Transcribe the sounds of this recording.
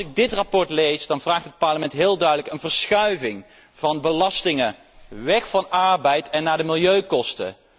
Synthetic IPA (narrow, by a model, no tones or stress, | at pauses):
ɪɡ̚dɪtrapɔɹtlejzdɑnvraːχtɦət̚pɑɹləmɛntɦɪːlˠdœɥdələkənvəɹsχœɥvɪŋ | v̥ɑnbəlɑstɪŋə | ʋɛxfɑnɑɹbɛjtɛnːaːdəmɪlˠjøɥkɔstə̰